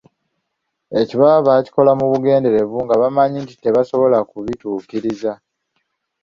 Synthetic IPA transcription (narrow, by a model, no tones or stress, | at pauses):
e̞ciβaβaci̥ko̞lamuβuɡe̞ːnde̞ɾe̞βuŋɡaβamaɲinti̥te̞βaso̞βo̞lakuβituːkiɾiza